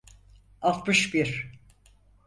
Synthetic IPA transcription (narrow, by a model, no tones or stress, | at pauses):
alˠt̪mɯʃbiɾ